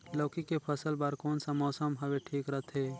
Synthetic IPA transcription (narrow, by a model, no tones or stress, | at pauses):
lɔːkikepʰəsəlbəɾkoːnsamɔːsəmɦəʋeʈʰiːkɾət̪ʰɦe